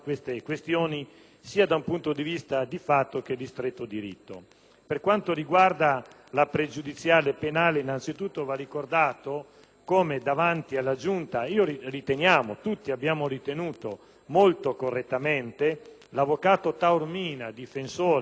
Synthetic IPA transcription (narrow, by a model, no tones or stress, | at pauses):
kwest̪ekwest̪joːni | siːad̪aumpunt̪od̪ivist̪ad̪ifat̪ːok̟ed̪ist̪ɾet̪ːod̪iɾḭt̪ːo̰ | perkwant̪oɾiɡward̪a | lapɾed͡ʒud̪it̪sjaːlepenaːleinant̪sit̪ut̪ːovarːikord̪aːt̪o | koːmed̪avant̪ialːad͡ʒunt̪aiːoɾirit̪enjaːmot̪ut̪ːiabːjaːmoɾit̪enuːt̪o | molt̪okorːet̪ːament̪e | lavːokaːt̪ot̪aurmiːnad̪ifensoːɾ